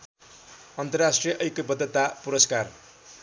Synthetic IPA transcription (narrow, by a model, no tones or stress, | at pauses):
ʌnt̪ʌrasʈrijʌʔʌjkobʌd̪ʱːʌt̪apuɾʌskar